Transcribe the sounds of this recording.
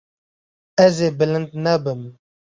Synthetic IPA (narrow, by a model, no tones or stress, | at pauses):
ɐzebələnt̪nabəm